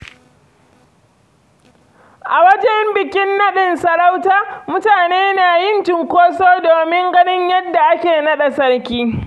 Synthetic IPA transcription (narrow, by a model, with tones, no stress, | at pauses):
ʔa˨wɐ˦d͡ʒɛ˦mbɪ˨kʲɪ˦nːɐ˦ɗɪ˨nsɐ˨ɾa˦wtaː˦mʊ˦taː˨neː˦naː˨jɪ˦nt͡ʃɪ˨ŋkʷoː˦soː˦doː˨mɪ˦ŋɡɐ˦nɪ˦ɲjɐ˦dːa˨ʔa˦kʲeː˨nɐ˦ɗɐ˨sɐ˦ɽkʲiː˦